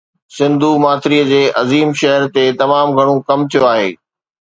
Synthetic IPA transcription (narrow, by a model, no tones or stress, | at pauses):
sɪ̃nd̪ʱumaːt̪ɪɾiəd͡ʑeːʔɐziːmʃɐɦəɾt̪et̪ɐmaːmɡʱɐɽ̃okɐmt̪ʰijoaːɦḛː